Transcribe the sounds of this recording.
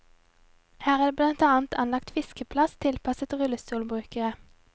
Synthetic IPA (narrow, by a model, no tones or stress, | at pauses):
hæːʁæːd̪eːblɑnt̪ɑːnt̪ʰɑnlɑkt̪fɪskəpʰlɑst̪ʰɪlpʰɑsət̪ʁʉlːəst̪uːlbʁʉːkəʁə